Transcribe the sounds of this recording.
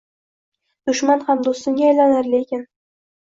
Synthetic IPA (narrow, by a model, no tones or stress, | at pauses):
d̪̥ʊʃmanhamd̪ost̪ɪŋɡʲaːjlanaɾlekʲɪn